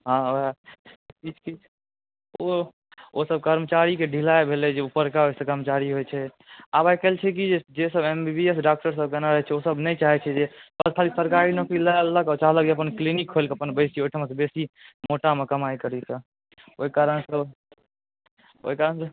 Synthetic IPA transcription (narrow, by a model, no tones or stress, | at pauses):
ɦãapid͡ʒki | o | osəb̚kəɾmət͡ʃaɾikeɖʱilaebʱeled͡ʒeupəɾkaɦojsə̃kəɾmət͡ʃaɾiɦojt͡ʃʰɛ | abajkəlt͡ʃʰɛk̬id͡ʒed͡ʒesəbembibiesɖak̚ʈəɾs̬əbkenaɾəɦɛt͡ʃʰɛosəbnɛt͡ʃaɦɛt͡ʃʰɛd͡ʒekad͡ʒkʰalisəɾkaɾinəkilalːəkat͡ʃaɦlək̚d͡ʒeəp̬ənklinikɦolkeəpənbəsiojʈʰəmesəbesimoʈamekəmaikəɾisə | oikaɾənsə | o̰ikaɾənsə̃